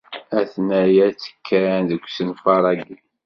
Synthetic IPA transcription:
æθnæjæt͡sːə̥kʰːænðəkʷːsənfɑɾˤɑɡ

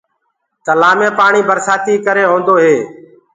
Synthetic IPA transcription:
t̪əlaːmẽːpaːɳiːbəɾsaːt̪iːkəɾeːɦõːnd̪oːɦeː

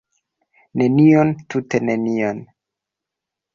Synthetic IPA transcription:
ne̞niontutenenion

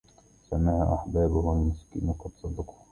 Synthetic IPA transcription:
samaʕaʔaħbaːbʊhalmʊskḭːnqɑd̪sˤɑd̪ɑq

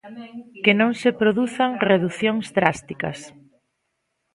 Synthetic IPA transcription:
kenõŋsepɾoðuθaŋreðuθjõŋzd̪ɾast̪ikɐ̰s

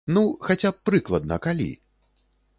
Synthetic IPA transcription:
nuxat͡sʲapːɾɨklˠɐd̪̚nɐkalʲḭ

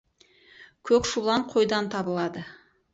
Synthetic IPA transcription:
kʲʰɵkʃulˠɑɴqʰo̞jd̪ɑnt̪ʰɑbəlˠɑd̪ə

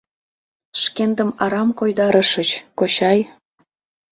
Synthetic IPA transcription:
ʃkend̪əmɑɾɑmkojd̪ɑɾə̆ʃət͡ɕkoɕɑj

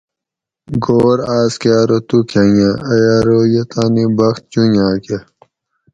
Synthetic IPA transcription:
ɡoːɾaːskaːɾot̪ukʰajãɐjaːɾojet̪aːnibɐxt̪̚t͡ɕũjãːke

